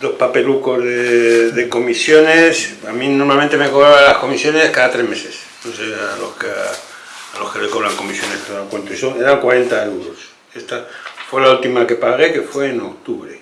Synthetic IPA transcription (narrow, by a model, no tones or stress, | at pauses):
lospapelukozðeðeko̞misjo̞nesamĩnoɾmalmẽnt̪emekoβɾaβaalasko̞misjo̞neskaðat̪ɾezmeses | nosealoske | aloskelekoβɾaŋko̞misjo̞neskeðaakwent̪oisoŋeɾaŋkwaɾe̞nt̪aewðos | est̪afwe̞lault̪imakepaɣeke̞fweːnokt̪uβɾe